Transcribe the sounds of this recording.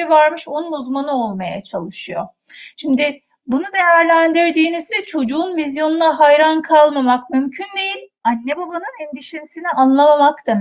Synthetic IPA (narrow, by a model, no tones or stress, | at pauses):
ɛvaɾmɯʃo̞nunuzmanɯo̞lˠmaja̰t͡ʃʰalˠɯʃɯjo̞̰ | ʃimd̪ɪ | bunud̪e̞jæɾlʲænd̪iɾd̪iːnizd̪ɛt͡ʃʰo̞d͡ʒuːnvizjo̞nunaɦajɾankʰalˠmamakmymcʰynd̪e̞jilʲanːebabanɯnɛnd̪iʃimsiniʔanlˠamamakt̪am